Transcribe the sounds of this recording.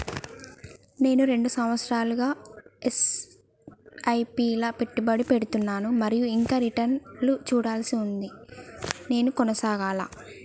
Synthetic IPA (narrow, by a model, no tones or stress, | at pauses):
ne̞ːnuɾe̞ɳɖusɐmʋɐt̪sɾaːluɡaːes | ɐjpiːlɐpe̞ʈːibɐɽipe̞ɽut̪unːaːnumɐɾijuiŋkaːɾiʈɐnlut͡ʃuːɽaːlsiund̪i | ne̞ːnukɔnɐsaːɡaːla̰ː